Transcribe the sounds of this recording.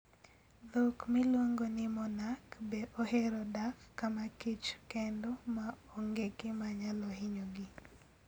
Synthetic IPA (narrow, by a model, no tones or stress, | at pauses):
lokmɪlwoŋɡonɪmɔnakbeʔoheɾɔdakkamakit͡ʃkɛndɔmaɔŋɡekɪmaɲalɔɦɪɲoɡɪ